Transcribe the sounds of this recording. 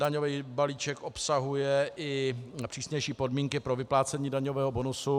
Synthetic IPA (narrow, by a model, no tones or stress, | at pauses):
daɲoviːbaliːt͡ʃɛkʔopsaɦujɛʔɪpr̝̥iːsɲɛjʃiːpo̞dmiːŋkɪpɾo̞vɪplaːt͡sɛɲiːdaɲovɛːɦobonusu